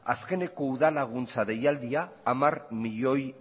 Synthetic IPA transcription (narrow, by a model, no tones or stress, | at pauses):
a̰ske̞ne̞ko̞uðalaɣ̞unt͡saðe̞jald̪iaːmarmiʎo̞j